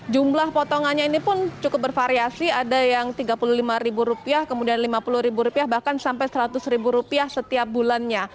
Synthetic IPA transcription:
d͡ʒumlahpɔt̪ɔŋanɲainipʊnt͡ʃukʊp̚bərfaɾiasiadajaŋt̪iɡapuluhlimaɾibuɾupiahkəmudianlimapulʊhɾibuɾupiahbahkansampajsəɾat̪ʊsɾibuɾupiahsət̪iap̚bulanɲa

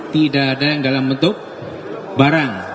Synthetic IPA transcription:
t̪idaːdajaŋdalambənt̪ʊk̚ | baɾaŋ

